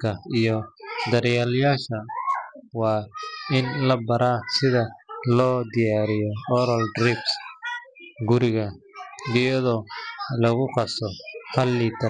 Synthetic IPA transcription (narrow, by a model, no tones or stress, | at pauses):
kʰɐijɔd̪ɐɾjaːljaːʃɐ | wɑːɪnlɐbɐɾaːsɪðɐlɔːd̪ɪjaːɾɪjɔɔɾɐld̪ɾibs | ɡʊɾɪɣɐd̪ɪjɐðɔlɐɣʊqɑsɔhɐlːiːt̪ʰɐ